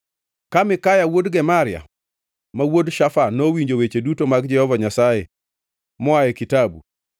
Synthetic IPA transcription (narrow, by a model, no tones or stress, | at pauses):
kamɪkajawodɡɛmaɾɪa̰ | mawodʃafanowiɲd͡ʒowet͡ʃedutomaɡd͡ʒɛhɔvaɲasaje | mɔajɛkitabṵ